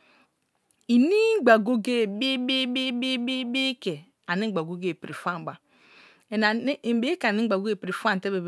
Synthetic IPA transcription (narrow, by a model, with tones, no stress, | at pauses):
i˨ni˦ɡ͡ba˨ɡo˦ɡe˦˨bi˦bi˦bi˦bi˦bi˦bi˦ke˨ | a˨ni˦ɡ͡ba˨ɡo˦ɡe˦˨pɾi˨fa˦˨ɡ͡ba˨ | e˨na˨˦˨be˦ka˨ni˦ɡ͡ba˨ɡo˦ɡe˦˨pɾi˨fa˦n˨te˦be˨b